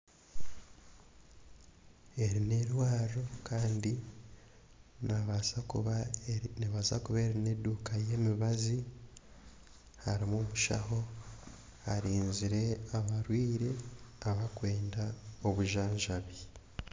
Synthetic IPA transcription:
e̞ɾine̞ɾwaːɾokaːndi | na | niβaza̰kuβe̞ɾine̞duːkaje̞miβazi | haɾimomuʃa̰ho̞ | haɾiːnziɾe̞aβaɾwiːɾe̞aβakwe̞ːndao̞βuʒaːɲʒaβi

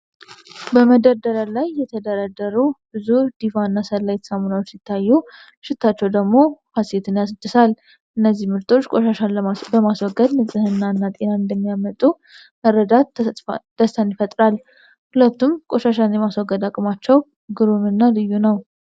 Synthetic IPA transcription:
bəməd̪əɾd̪əɾəlajːɛt̪ʰəd̪əɾad̪əɾubɨzud̪̥ifanːasəlːajɛt̪ʰə̥samonawot͡ʃːsit̪ʰːajːu | ʃɪt̪ʰːat͡ʃːɛwd̪əɡmo̞haset̪ʰɨnjasd̪ːɨsal | ʔɨnːəzːihmɨɾt̪ʰo̞t͡ʃːkʼoʃaʃanbəmaswɔɡəd̪nɨsʼɨhɨnːaɨnːat̪ʼe̞naɨnd̪əmːijamət̪ʼːu | məɾːəd̪at̪d̪̥əst̪ʰənjɪfət̪ʼɾal | hulət̪ːumkʼo̞ʃaʃanjɛmaswɔɡːəd̪akʼmat͡ʃːɛw | ɡɨɾumɨnːalɨjːunəw

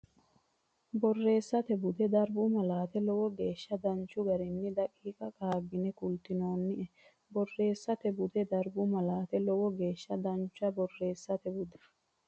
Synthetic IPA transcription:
bɔrːe̞ːsːɐt̪ɛbʊd̪ɛd̪ɐɾbʊmɐlaːt̪ɛlɔwɔɡe̞ːʃːɐd̪ɐnt͡ʃːʊɡɐɾɛnːɪd̪ɐkʼːiːkʼɐkʼaːɡːɪnɛkʊlt̪ɪno̞ːnːɪʔɛ | bɔrːe̞ːsːɐt̪ɛbʊd̪ɛd̪ɐɾbʊmɐlaːt̪ɛlɔwɔɡeːʃːɐd̪ɐnt͡ʃːʊɐbɔrːe̞ːsːɐt̪ɛbʊd̪ɛ̥

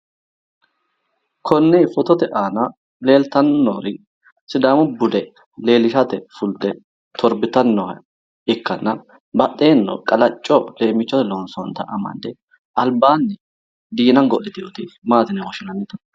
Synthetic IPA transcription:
kʰɔnːɛfɔt̪ɔt̪ɛʔaːnɐ | le̞ːlt̪ɐnːɔɾɪ | sɪd̪aːmʊbʊd̪ɛ | le̞ːlɪʃɐt̪ɛfʊld̪ɛ | t̪ʰɔɾbɪt̪ɐnːɔɐ | ɪkːɐnːɐ | bɐɗe̞ːnːɔ̰kʼɐlɐt͡ʃʼːɔle̞ːmɪt͡ʃːɔt̪ɛlɔnsɔnt̪ɐ̰ʔɐmɐ̰nd̪ɛ | ɐlbaːnːɛ | d̪iːnɐnɡɔlːɪt̪ɪjot̪ɪmaːt̪ɪnɛwɔʃɪnɐnːɪt̪ɐ̥n

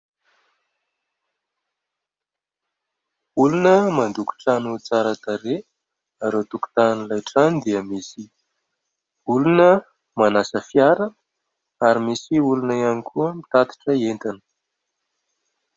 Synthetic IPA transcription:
ulunəmand̪uku̥ʈ͡ʂanut͡saɾat̪aɾe | aɾot̪uku̥t̪anilajʈ͡ʂanid̪iəmisi | ulunə | manasəfjaɾə | aɾimisiulunəjanikʰuəmit̪at̪i̥ʈ͡ʂəent̪anə̥

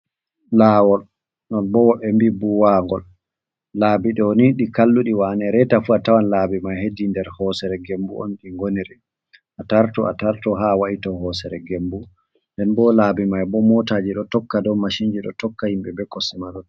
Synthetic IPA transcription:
laːwɔl | nɔnbɔwɔɓɛmbibuwaŋɡɔl | laːbiɗɔniɗikalːuɗiwanɛɾɛtafuatawanlabimajhedindɛɾhɔsɛɾɛɡembuɔ̰nɗiŋɡoniɾi | ʔataɾtɔa̰taɾtɔɦawaʔitɔhɔːsɛɾɛɡembu | ndɛnbɔlabimajbɔmɔtaːd͡ʒiɗɔtɔkːadɔmaʃiɲd͡ʒiɗɔ̰tɔkːahimbɛbɛkːɔsɛmaɗɔn

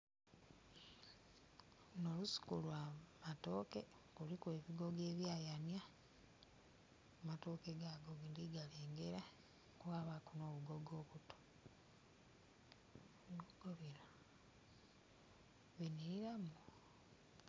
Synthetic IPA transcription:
no̞lusi̥kulwamato̞ke̞ | kulikwe̞βiɡo̞ɡe̞ːβjaːjanja | mato̞ke̞ɡaɡoɡindiɡaleːŋɡe̞ɾa | kwaːβakuno̞ːβuɡoɡo̞ːβuto̥ | βiɡoɡ̥oβila | βiniɾiɾamu

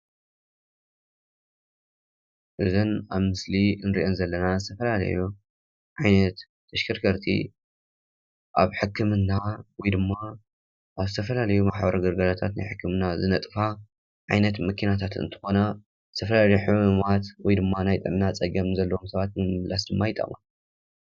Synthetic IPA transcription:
ʔɨzɨnaβmɨsliɨnɾḭʔonzɐlːɐnazɨt̪ʰɐfɐlalɐ̰ju | ʕajnɐt̪ː | ɐʃkʰɨɾkʰɐɾt̪ʰḭ | ʔa̰βħɨkːɨmɨnːawɔjd̪ɨmːa | ʔaβzɨt̪ʰɐfɐlalɐjumaħbɐɾɐɡɨɾɡɐlat̪ʰat̪na̰jħɨkʰːɨmnazɨnɐt̪ʼfa | ʕajnɐt̪mɐkʰinat̪ʰat̪ɨ̰nt̪ʰɨ̥xo̞na | z̥ɨt̪ʰɐfɐlalɐjuħɨmɨmat̪wɔjd̪ɨmːanajt̪ʼɨmnat͡sʼɐɡɐmzɐlːɐomsɐβat̪̚mɨmɨmlasd̪ɨmːajɪt̪ʼɐ̰ma

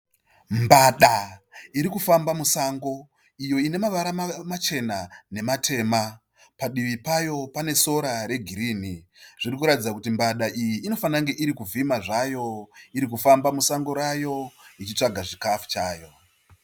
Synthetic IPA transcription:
mbaɗaiɾikufambamusaŋɡo̞ | ijo̞ine̞maʋaɾamat͡ʃe̞nane̞matʰe̞ːma | paɗiʋipajo̞pane̞so̞ɾaɾe̞ɡʱiɾiːniʐ̥irikuɾatid͡zakutimbaɗaʔijiːno̞fanaŋɡe̞ʔiɾikuvimaʐajo̞iɾikufambamusaŋɡo̞ɾajo̞it͡ʃit͡ʂaɡʱaʐikafu̥t͡ʃaːjo̞

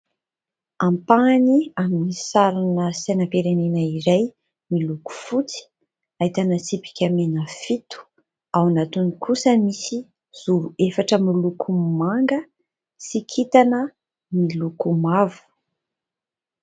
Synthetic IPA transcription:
ampaniaminisaɾanəsajnapeɾenenəiɾaj | miluku̥fut͡si̥ | ait̪anəsipi̥kʲamenəfit̪u̥ | awanat̪unikʰusəmisi | z̥uɾuefaʈ͡ʂəmilukʰumaŋɡə | sikʰit̪anə | milukumavu̥

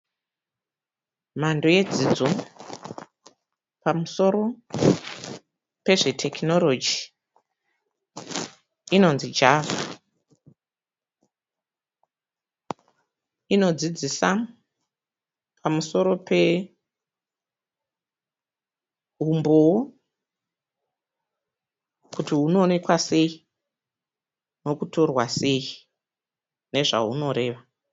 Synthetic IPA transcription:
mandoje̞d͡zid͡zo̞ | pamuso̞ɾo̞ | pe̞ʐe̞tʰe̞kino̞lo̞d͡ʒi | ino̞nzid͡ʒava | ino̞d͡zid͡zisa | pamuso̞ɾo̞pe̞ | ɦumbo | kutiɦuno̞ːne̞kwase̞i | no̞kuto̞rwase̞ji | ne̞ʐa̰ɦuno̞ɾe̞ːʋa

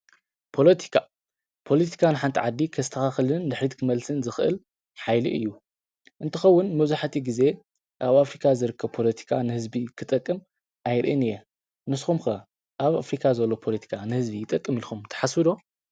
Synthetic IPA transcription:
pʰo̞lɐt̪ʰi̥kʰa | pʰo̞lɐt̪ʰi̥kʰanɨħant̪ʰiʕad̪ːikʰɐzɨt̪ʰɐxaxlɨnd̪ɨħɾit̪kʰɨmɐlsɨnzɨxʔɨ̰l | ħajlḭʔɨ̰jːu | ʔɨnt̪ʰɨxɐwːʊnmɐβzuħat̪ʰiɡize̞ | ʔaβafɾikʰazɨɾɨkʰːɐβpʰo̞lɐt̪ʰi̥kʰanɨhɨzbikʰɨt̪ʼɐkʼːɨm | ʔajɾɨ̰ʔɨnɨjɛ | nɨsxumxɐ | ʔaβafɾikʰazɐlːo̞pʰo̞lɐt̪ʰi̥kʰanɨhɨzbijɪt̪ʼːɐkʼːɨmilxumt̪ʰɐ̥ħasɨd̪o̞

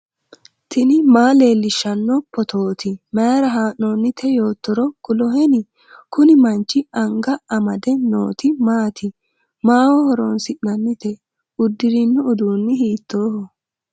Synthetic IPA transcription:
t̪ʰɪnɪmaːle̞ːlːɪʃːɐnːɔpːɔt̪ʰoːt̪ʰɪmeːɾɐɦaːʔnoːnːɪt̪ʰɛjo̞ːt̪ːɔɾɔkʊlɔɦɛnɪ | kʊnɪmɐnt͡ʃːɪɐŋɡɐɐmɐd̪ɛno̰ːt̪ɪmaːt̪ʰɪ | maːwɔhɔɾonsɪʔnɐnːɪt̪ɛ | ʊd̪ːɪɾɪnːʊʊd̪uːnːɪhiːt̪ːoːhɔ

